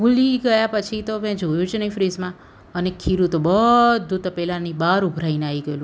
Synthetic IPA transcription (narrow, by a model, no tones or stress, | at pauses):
ɡuliɡəjapət͡ʃʰit̪omɛ̃d͡ʒojũt͡ʃʰenəĩfɾizmã | ənekʰːiɾũt̪obəd̪ʱːut̪pɛlanibaɾubʱɾaineaiɡəjelũ